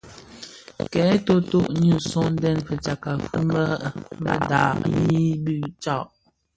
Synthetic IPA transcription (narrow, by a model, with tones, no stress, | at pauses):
kɛ˨˦to˦to˦˨ʔɲu˦˨sɔ˦n˦dɛ˦˨nfə˨t͡ʃa˨ka˨fu˦mə˦ba̰˦da̰˨ʔji˦bʉ˦˨t͡ʃa˦˨ʔ